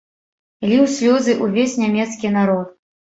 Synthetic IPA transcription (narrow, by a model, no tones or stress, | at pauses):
lʲiwsʲlʲɔzɨʔuvʲesʲnʲamʲɛt̪skʲinaɾɔt̪̚